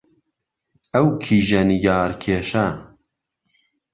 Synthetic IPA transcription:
ɐwkʰiːʒɐniɡɑːɾkʰeːʃɐ

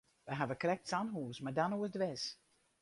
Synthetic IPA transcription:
ʋəɦavəkrɛk̚tsanɦuəsmardanuədʋɪs

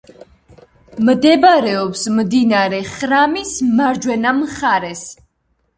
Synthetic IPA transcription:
md̪ɛbaɾɛɔpsmd̪inaɾɛχɾamismaɾd͡ʒwɛnamχaɾɛs

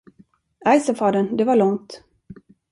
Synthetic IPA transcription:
ajsɔfɑːd̪ənd̪ɛvaɭɔŋt̪

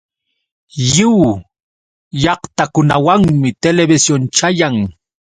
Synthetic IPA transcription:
jɪw | jɑχt̪akʊnawaŋmɪt̪elebɪsjont͡ʃajaŋ

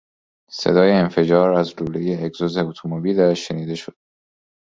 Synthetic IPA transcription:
sḛd̪ɒːjeːnfe̞d͡ʒɒːɾæzluːlejeːɡzozeot̪ʰomobiːlæʃːe̞niːd̪e̞ʃod̪̥̚

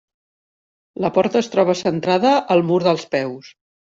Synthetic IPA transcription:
ləpɔɾt̪əːst̪ɾɔβəsənt̪ɾaðəʔːlˠmuɾðəlˠspɛws

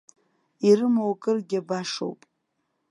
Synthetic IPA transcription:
iɾɨmowkʼɨrɡʲabaʂo̰wpʼ

